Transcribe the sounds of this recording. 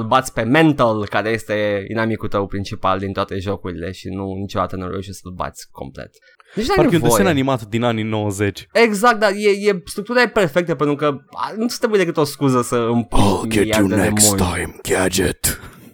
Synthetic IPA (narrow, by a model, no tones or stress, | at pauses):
əlbat̪sʲpe̞ment̪əlkaɾe̞je̞st̪e̞ḭnamikult̪əwpɾint͡ʃipa̰ld̪int̪oat̪e̞ʒo̞kuɾile̞̰ʃinunit͡ʃo̞d̪a̰t̪ənuɾo̰uʃesəlba̰t̪sʲkʰo̞̰mplḛt̪ | nit͡ʃnaɾkeunvossenanimat̪d̪inaninowəzet͡ʃeɡzakt̪d̪ajejest̪ɾuk̚t̪uɾajeperfek̚t̪əpent̪ɾukəa̰nut̪ɾebujed̪ekɨt̪o̞skuzəsəɨmpolɡɛjauenɛekmuntʰːãjmɡ̥ad͡ʒɪ̰t̪